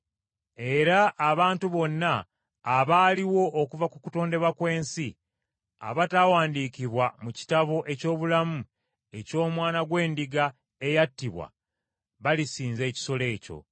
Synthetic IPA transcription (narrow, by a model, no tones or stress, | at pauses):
e̞ɾaʔːβaːntuβo̞nːaː | βaːliwo̞ʔːkuvakukuto̞ːnde̞βwakwe̞ːnsi | a̰βataːwaːndiːkiβwamuci̥taβo̞ʔe̞co̞ːβulamu | e̞co̞ːmwaːnaɡwe̞ːndiɡa | e̞jatːiβwa̰ | βalisiːnze̞ːci̥so̞le̞ːco̞̰